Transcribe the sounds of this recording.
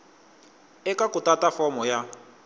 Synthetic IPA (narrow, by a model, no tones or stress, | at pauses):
ɛkakutatafɔmɔja